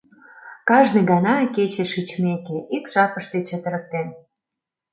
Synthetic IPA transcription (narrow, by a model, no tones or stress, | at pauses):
kɑʒniɣɑnɑket͡ɕeʃit͡ɕmekeʔikʒ̥ɑpəʃt̪et͡ɕət̪ə̆ɾə̆k̚t̪en